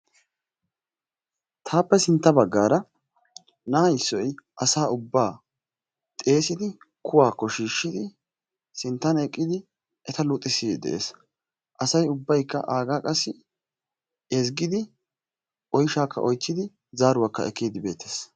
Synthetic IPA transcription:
t̪ʰaːpːɛsɪnt̪ːɐbɐɡːaːɾɐ | nɐːɐjɪsːɔjʔɐsaːʊbːaː | t̪ʼe̞ːsɪd̪ɪ | kʰʊwaːkːɔʃiːʃːɪd̪ɪ | sɪnt̪ːɐnɛkʼːɪd̪ɪ | ʔɛt̪ɐlʊːt̪ʼːɪsid̪ɛ̰ʔḛːs | ʔɐsɐjʊbːɐjkːɐ̰ʔaːɡaːkʼɐsːɪ | ɛzɡɪd̪ɪ | ʔɔjʃaːkʰːɐ̰ʔɔjt͡sːɪd̪ɪ | zaːɾʊwakːɐ̰ɛ̰kːiːd̪ɪbe̞̰ːt̪ʰːeːs

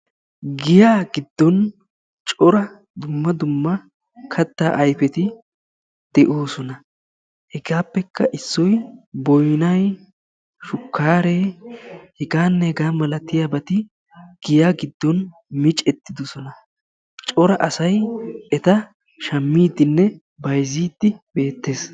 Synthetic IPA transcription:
ɡɪjaːɡɪd̪ːɔn | t͡ʃʼɔɾɐ | d̪ʊmːɐd̪ʊmːɐ | kʰɐt̪ːa̰ːʔɐjfɛt̪ɪ | d̪̥ɛʔo̞ːsɔnɐ | hɛɡaːpːɛkːɐʔɪsːɔjbɔjnɐj | ʃʊkːaːɾeːhɛɡaːnːɛhɛɡaːmɐlɐt̪ːɪjaːbɐt̪ɪ | ɡ̥ɪjaːɡɪd̪ːɔn | mɪt͡ʃʼɛt̪ːɪd̪ɔsɔnɐ | t͡ʃʼɔɾɐʔɐsɐjɛt̪ɐ | ʃɐmːiːd̪ɪnːɛ | bɐjziːd̪ːɪb̥e̞ːt̪ːe̞ːs

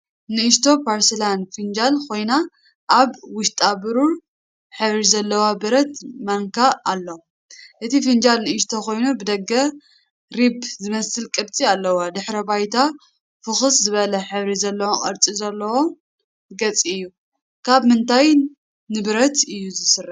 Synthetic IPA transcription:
nɨːʃt̪ʰo̞pʰaɾsɨlanfɨnd͡ʒalkʰo̞jna | ʔːβwʊʃt̪ʼabɨɾu | ħɨβɾizɐlːɐwabɨɾɐt̪mɐŋkʰaːlːo | ʔɨt̪ifɨnd͡ʒalnɨʔiʃ̬t̪ʰo̞ko̞jnubɨd̪ɐɡːɐ | ɾibzɨmɐsɨlkʼɨbt͡sʼialːɐwod̪ɨħɾɐbajt̪ʰa | fɨxɨszɨβɐlɐħɨβɾizɐlːɐwokʼɐ̰ɾt͡sʼizɐlːɐwo | ɡɐt͡sʼiɨjːu | kʰaβmɨnt̪ʰaj | nɨbɨɾɐt̪ɨjːuzɨsɨrːɨ

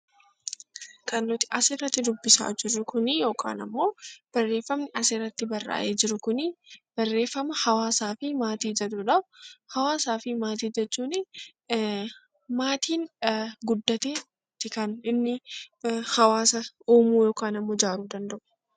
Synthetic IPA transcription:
kɐnːʊt̪ɪ̥ʔɐsɪrːɐt̪ːɪd̪ʊbːɪsa̰ːd͡ʒɪɾːʊkʊnɪjo̞ːkʰa̰ːnɐ̰mːo̞ːb̥ɐrːe̞ːfːɐmnɪɐsɪrːɐt̪ːɪbɐrːa̰ːʔeːd͡ʒɪɾʊkʊnɪb̥ɐrːe̞ːfːɐmɐhɐwaːsaːfɪmaːt̪iːd͡ʒɐᶑ̪uːᶑɐbʊhɐwaːsaːfɪmaːt̪̬iːd͡ʒɛt͡ʃːuːnɪ | maːt̪ʰiːnɡʊd̪ːɐt̪eː | t̪ːɪkɐnɪnːɪ | hɐwaːsɐ | uːmuːjo̞ːkaːnɐmːo̞ːd͡ʒaːɾuːd̪ɐnd̪ɐʔʊ̥

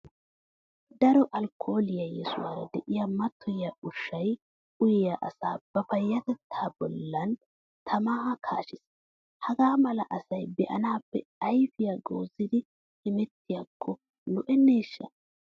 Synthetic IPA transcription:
d̪ɐɾɔʔɐlkʰːo̞ːlɪjɐjɛsʊ̰waːɾɐd̪ɛʔɪjɐmɐt̪ʰːɔjaʊʃːɐj | ʊjjaʔɐsaːb̥ɐfɐjːɐt̪ɛt̪ʰːaːbɔlːɐn | t̪ʰɐmaːkʰa̰ːʃɪs | hɐɡaːmɐlɐʔɐsɐjbɛʔɐ̰naːpːɛɐjfɪjaɡoːzɪd̪ɪ | hɪmɛt̪ːɪjakʰːɔ | nʊʔɛnːeːʃːɐ̰

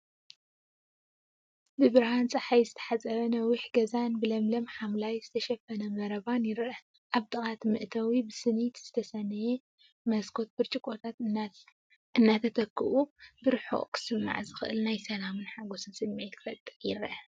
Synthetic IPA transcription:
bɨbɨɾhant͡sʼɐħajzɨt̪ʰɐ̥ħat͡sʼɐβɐnɐwiħɡɐzanbɨlɐmlɐmħamlajzɨt̪ʰɐʃɐfɐnɐmɐɾɐβanjɪɾʔɐ | ʔaβt̪ʼɨχʼat̪mɨʔt̪ʰɐwibɨsɨnit̪z̥ɨt̪ʰɐsɐnːɨje | mɐskʰo̞t̪̚bɨɾt͡ʃʼikʼot̪ʰat̪ | ʔɨnːat̪ʰɐt̪ʰɐkːɨʔubɨɾħo̰ʔkʰɨ̥sɨmmːa̰ʕzɨxɨʔɨlnajsɐlamɨnħaɡosɨnsɨmmet̪kʰɨfɐt̪ʼɨjɪɾʔɐ

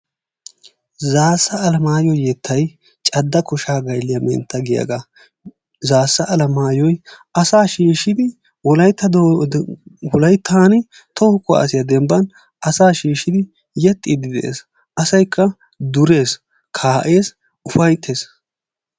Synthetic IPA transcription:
zaːsːɐːlɐmaːjɔjɛt̪ʰːɐj | t͡ʃʼɐd̪ːɐkʊʃaːɡɐjlːɪjɐmɛ̰nt̪ːɐɡɪjɐ̰ɡa | zaːsːɐʔɐlɐmaːjɔjʔɐsaːʃiːʃɪd̪ɪ | wɔlɐjt̪ːɐd̪ | wɔlɐjt̪ʰːaːnɪ | t̪ɔhʊkːʊa̰ɐsɪjɐd̪ɛmbɐn | ʔɐsaːʃiːʃːɪd̪ɪ | jɛt̪ʼːɪd̪ɪd̪ɛʔḛːs | ʔɐsɐjkʰːɐ | d̪ʊɾe̞ːs | kʰaːʔe̞ːs | ʊfɐjt̪ʰːe̞ːs

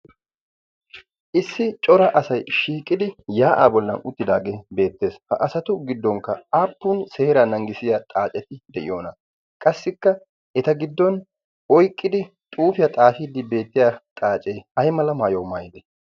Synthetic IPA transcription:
ʔɪsːɪt͡ʃʼɔɾɐʔɐsɐjʃiːkʼːɪd̪ɪjaːʔa̰ːbɔlːɐnʊ̰t̪ːɪd̪aːɡe̞ːbe̞ːt̪ːe̞ːshɐʔɐsɐt̪ʊɡɪd̪ːɔŋkːɐaːpːuːnse̞ːɾanɐŋɡɪsɪjat̪ʼaːt͡ʃʼɛt̪ɪd̪ɛʔɪ̰jo̞ːnɐ | kʼɐsːɪkːɐ | ʔɛt̪ɐɡɪd̪ːɔn | ɔjkʼːɪd̪ɪ | t̪ʼuːfɪjɐt̪ʼaːfiːd̪ɪbe̞ːt̪ːɪjat̪ʼaːt͡ʃʼeːhɐjmɐlɐmaːjowmaːjd̪ɛ

